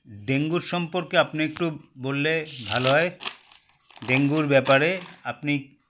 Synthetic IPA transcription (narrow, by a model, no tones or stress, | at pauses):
ɖeŋɡuɾʃɔmpoɾkeapniek̚ʈubolːebʱaloɦɔe | ɖeŋɡuɾbɛpaɾeapni